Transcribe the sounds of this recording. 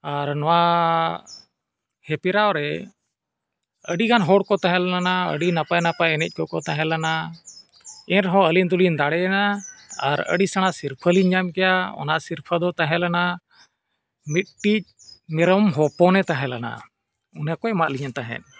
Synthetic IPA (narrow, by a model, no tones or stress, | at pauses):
aɾnɔwa | hɛpiɾaɔɾɛ | əɖiɡanɦɔɽkɔt̪aɦɛ̃llanaə̰ɖinapajnapajɛnɛc̚ˀkɔkɔt̪ãɦɛ̃lana | ɛ̃ɾɦɔ̃əlind̪ulind̪aɽɛnaːaɾə̰ɖisaɽ̃asiɾpʰəliɲd͡ʒamkɛjaɔ̰naʔsiɾpʰəd̪ɔt̪ãɦɛ̃lana | mit̪̚ʈic̚ | mɛɾɔmɦɔpɔnɛt̪ãɦɛ̃lana̰ | unakɔɛmaʔliɲant̪aɦɛ̰n̚